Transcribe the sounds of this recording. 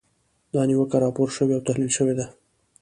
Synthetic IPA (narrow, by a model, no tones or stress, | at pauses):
d̪ɑniwəkaɾɑpoɾʃəweawt̪aɦlilʃəwed̪a